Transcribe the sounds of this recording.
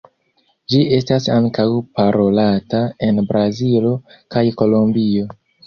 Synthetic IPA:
d͡ʒiʔe̞stasaŋkawpaɾo̞latae̞nbɾazilo̞kajko̞lombio̞

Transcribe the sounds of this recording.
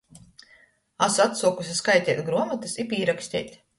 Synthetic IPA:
asat̪suɔkusʲiskajt̪ʲɛːt̪ʲɡɾuɔmat̪ɨsipiːɾaksʲt̪ʲɛ̰ːt̪ʲ

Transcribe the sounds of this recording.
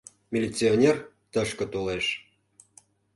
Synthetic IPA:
mʲilʲit͡sionʲer | t̪ə̆ʃkə̆t̪oleʃ

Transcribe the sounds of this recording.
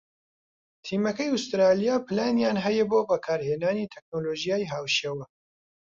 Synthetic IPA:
t̪ʰiːmɐkɐjʊst̪ɾaːlijaːpʰlaːnjaːnɦɐjɛboːbɐkʰaːɾheːnaːniːt̪ʰɛk̚noːloːʒijaːjɦaːwʃeːwɐ

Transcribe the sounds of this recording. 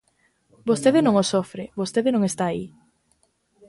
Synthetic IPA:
bost̪eðɪnõŋosofɾɪβost̪eðɪnõŋest̪aːi

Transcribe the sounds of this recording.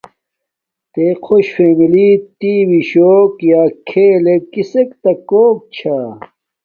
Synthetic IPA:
t̪eqʰoɕfemilit̪iwiɕoːkjaːkʰeːlekisekt̪ɐkoːk̚t͡ɕʰa

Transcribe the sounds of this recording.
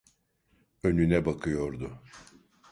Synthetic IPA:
ø̞nynɛbakʰɯjo̞ɾd̪ʊ

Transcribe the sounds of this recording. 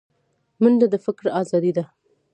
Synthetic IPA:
mənd̪ad̪əfɪkɾɑzɑd̪id̪a

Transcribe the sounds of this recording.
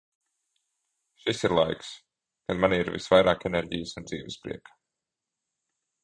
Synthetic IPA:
ʃisiɾlˠa̰jks | kanmaniiɾvḭsvajɾaːkeneɾɟijəsund̪ziːvɨspɾḭɛkḁ

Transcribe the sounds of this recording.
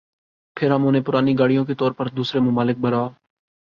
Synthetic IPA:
pʰɪɾɦəmʊnẽːpʊɾaːniɡaːɽijõket̪ɔːɾpəɾd̪uːsɾemʊmaːlɪk̚bəɾaː

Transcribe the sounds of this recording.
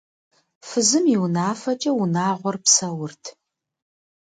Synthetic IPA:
fɨzɨmiwnaːfɐt͡ʃʼɐwunaːʁʷɔrpsɐwʊrtʰ

